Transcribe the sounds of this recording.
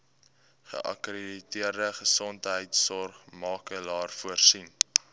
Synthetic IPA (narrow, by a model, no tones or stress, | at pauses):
χə̰ʔɐ̰kreditiərdəχəsɔntɦəjtsɔrχmɑːkəlɑːrfuərsin